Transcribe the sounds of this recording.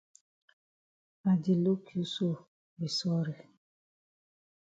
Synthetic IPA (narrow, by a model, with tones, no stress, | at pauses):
a˨d͡ʒi˨lo˦kʰi˨u˦so˦˨ | wi˨sɔ˦ɾe˨